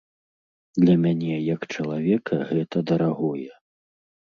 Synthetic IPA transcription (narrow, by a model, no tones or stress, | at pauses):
d̪lʲɐmʲanʲɛjɐkt͡ʂɐlˠavʲɛkʰɐɣɛt̪ɐd̪ɐɾaɣɔjɛ